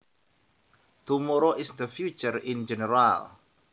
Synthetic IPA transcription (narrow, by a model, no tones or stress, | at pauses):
t̪umɔɾɔʔɪsd̪əfjut͡ʃərɪnd͡ʒɛnəɾal